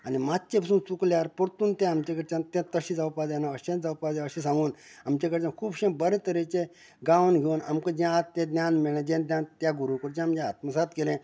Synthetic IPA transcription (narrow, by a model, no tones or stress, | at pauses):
animatt͡ɕẽpəsũːnt͡sukljaɾpəɽt̪uːnt̪ẽamt͡ɕekəɾt͡ɕãnt̪ẽt̪əɕĩd͡zawpad̪anaəɕẽnd͡zawpad̪aəɕĩs̬ãŋɡuːnamt͡ɕakəɾt͡ɕãnkʰuːbɕẽbəɾẽt̪əɾet͡ɕe | ɡaʋnɡʱeuna̰mkəd͡ʑãat̪t̪ːẽd̪nʲjanmeɭẽd͡ʑẽnd̪nʲjant̪jaɡuɾukəɾt͡ɕamd͡ʑẽːt̪məsat̪kelẽ